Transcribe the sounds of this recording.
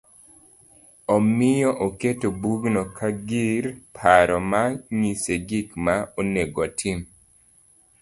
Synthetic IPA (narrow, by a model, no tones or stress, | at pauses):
ɔmɪjɔʔoketobuɡnɔkʰaɡiɾpʰaɾɔmaŋiseɡikmaoneɡɔtʰim